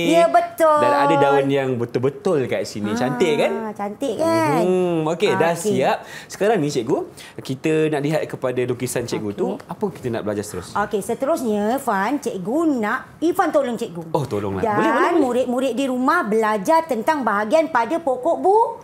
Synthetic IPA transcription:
jəbət̪ʊdaadadawanjaŋbət̪ʊlbət̪ʊlkaʔsinĩt͡ʃant̪ɪʔkant͡ʃant̪ɪʔka | okedaasiap̚sə̥kaɾaŋnĩt͡ʃɛʔɡu | kit̪ənaʔliɦat̪̚kəpadalukisant͡ʃɛʔ̚ɡutɡ̪uapəki̥t̪ənaʔbəlad͡ʒaɾsə̥t̪əɾʊsokesət̪əɾʊsɲəfant͡ʃɛʔ̚ɡunaʔ | ifant̪olɔŋt͡ʃɛʔɡuŋoht̪olʊ̰ŋla̰dabbolɛbolnmũɾɪt̪̚mũɾɪʔ̪̚diɾumahbəlad͡ʒart̪ənt̪aŋbaɦaɡianpadapokoʔbu

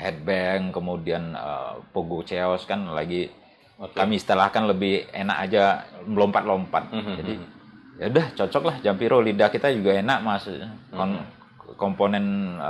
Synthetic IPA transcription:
hɛd̚bɛŋkəmudianə̰poɡut͡ʃeɔskanla̰ɡi | kamisə̥t̪əlahkanləbɪhḛna̰ʔa̰d͡ʒalɔmpat̪̚lompat̪̚d͡ʒadi | adaht͡ʃɔt͡ʃɔk̚lahd͡ʒampiɾolidakit̪ad͡ʒuɡaenakmasɲk | kɔmponɛn

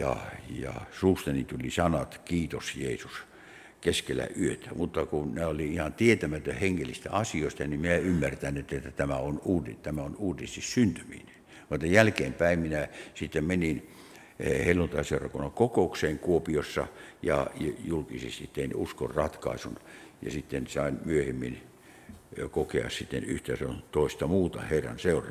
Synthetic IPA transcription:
jɑ̰jɑ̰suːst̪enit̪ulisɑnɑt̪kiːt̪osjeːsus | keskelæ̰ʔyøt̪æ̥mut̪ːɑkunæoliihɑnt̪iet̪æmæt̪øheŋːelːist̪æ̰ɑsioist̪ɑniminæymːært̪ænːet̪ːet̪ːæt̪æmæonuːdit̪æmæonuːdist̪issynt̪ymḭːne | et̪ːɑjælkeːmpæimminæsit̪ːemmenin | helːunt̪ɑiseurɑkonːɑŋkokoukseːŋkuopiosːɑ̰jɑ̰julkisḛst̪it̪t̪ːeinusko̰rrɑt̪kɑ̰isunjɑ̰sit̪ːensɑinmyøhemːin | kokeɑ̰ssit̪ːḛnyht̪æsont̪oist̪ɑmuːt̪ɑ̰heirːɑ̰nseurɑ

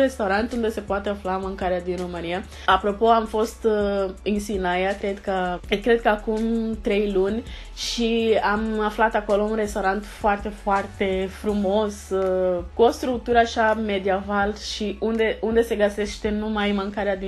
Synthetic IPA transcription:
ɾe̞st̪awɾant̪und̪e̞se̞poat̪e̞aflamaŋkaɾead̪inromɨnija | apɾo̞po̞amfo̞st̪ɨnsinajakɾe̞d̪kəkɾe̞d̪̚kəakumt̪ɾe̞jlunʲ | ʃiamaflat̪ako̞lo̞unre̞st̪awɾant̪foart̪e̞foart̪e̞fɾumo̞s | kuost̪ɾuk̚t̪uɾəaʃame̞d̪iavalʃiund̪e̞und̪e̞se̞ɡəse̞ʃt̪e̞numajmaŋkaɾead̪i

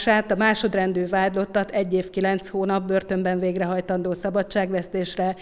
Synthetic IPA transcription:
ʃaːt̪ɒmaːʃo̞d̪rɛnd̪yːvaːd̪lo̞t̪ːɒt̪ɛɟːeːfkilɛnt̪shoːnɒp̚børt̪ø̞mbɛɱveːɡrɛɦɒjt̪ɒnd̪oːsɒbɒt͡ʃt͡ʃːaːɡʋɛst̪eːʃrɛ

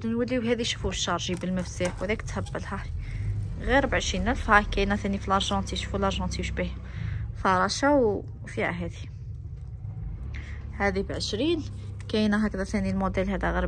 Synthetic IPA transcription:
d̪nwəlːiwɦæd̪iʃu̥fuʃːɑɾˤʒibəlməfsiħwd̪ækt̪hæbːəlha | ɣiɾbʕəʃinælfhækæjnæθænifilɑɾˤʒɑ̃t̪iʃu̥fulʔɑɾˤʒɑ̃t̪iwʃbih | fɑɾˤɑʃaw | fiʕa̰ɦæd̪i | hæd̪ibʕəʃɾin | kæjnæɦækd̪æθænilmod̪əlhæd̪æɣiɾ

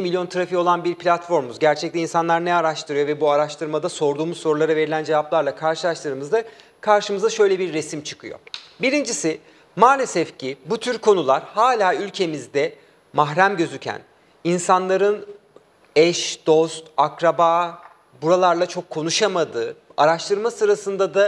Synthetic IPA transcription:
imilʲjo̞nt̪ʰaɾafio̞lˠanbiɾpʰlʲat̪fo̞ɾmuzɟæɾt͡ʃʰɛc̚t̪ɛinsanlˠaɾnɛaɾaʃt̪ʰɯɾɯjo̞vɛbuaɾaʃt̪ɯɾmad̪aso̞ɾd̪uːmuzso̞ɾulˠaɾave̞ɾilʲænd͡ʒe̞vaplˠaɾlˠakʰaɾʃɯlˠaʃt̪ʰɯɾɯmɯzd̪a | kʰaɾʃɯmɯzd̪aʃø̞jlʲebiɾːesimt͡ʃʰɯ̥kʰɯjo̞̰biɾind͡ʒisi | maːlʲesɛfcibut̪ʰyɾkʰo̞nulˠaɾhaːlʲaːylʲcʰe̞mizd̪ɛ | maɦɾæmɟø̞zycʰæ̰n | insanlˠaɾɯn | ɛʃd̪̥o̞st̪akɾabaː | buɾalˠaɾlˠat͡ʃʰo̞kʰːo̞nuʃamad̪ɯː | aɾaʃt̪ʰɯɾmasɯɾasɯnd̪ad̪a

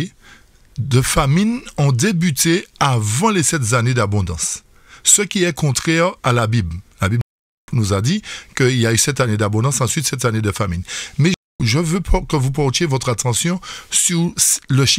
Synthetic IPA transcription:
d̪əfaminɔ̃d̪ebyt̪eavɑ̃lesɛt̪zaned̪abɔ̃d̪ɑ̰̃sː | əkʲiɛkɔ̃t̪χɛʁalabibllabib | nuzad̪ikəiljaysɛt̪aned̪abɔ̃d̪ɑ̃sɑ̃sɥit̪sɛt̪aned̪əfaminmɛ | ʒəvøkəvupɔʁt̪jevɔt̪χat̪ɑ̃sjɔ̃syʁsləʃ

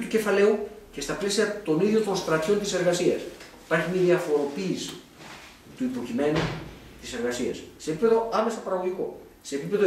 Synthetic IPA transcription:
t̪uce̞fɐle̞uce̞st̪ɐple̞siɐt̪o̞niðʝot̪o̞nst̪ɾɐt̪ço̞nt̪ise̞ɾɣɐsiɐsi̥pɐɾçiniðiɐfo̞ɾo̞piːsi̥ | t̪uipo̞cime̞nu | t̪ise̞ɾɣɐsiɐ̰sse̞ːpipe̞ðo̞ɐme̞st̪ɐpɐɾɐɣoʝiko̞ | se̞ːpipe̞ðo

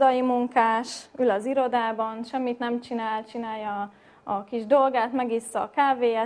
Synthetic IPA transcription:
d̪ɒjimuŋkaːʃylɒziɾo̞d̪aːbɒnʃɛmːit̪nɛmt͡ʃinaːlt͡ʃinaːjɒː | kiʒd̪o̞lɡaːt̪mɛɡisːɒːkaːveːɛ

